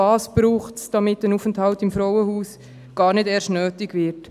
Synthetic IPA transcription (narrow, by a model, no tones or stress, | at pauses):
ɑːsb̥ɾuːχtsd̥ɑmɪt̚ːənufɛnthɑltɪmfɾɔwəhuːs | ɡ̥ɑːɾnɪdɛːʃtnøːtɪɡʋɪɾt